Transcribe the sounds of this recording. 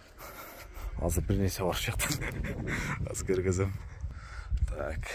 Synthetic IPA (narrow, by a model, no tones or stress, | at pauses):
ɑ̰zəbɪɾneʃebɑɾəʃʒɑq̚t̪ʰə | ɑ̰zkʲʰɪɾɡʲɪzɪm | t̪ʰak